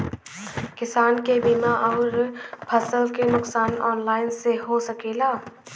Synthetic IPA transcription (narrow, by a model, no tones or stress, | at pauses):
kɪsaːnkebimaʔɔːɾpʰəsəlkenʊksaːnɔːnlaːɪnseɦosəkeːlaː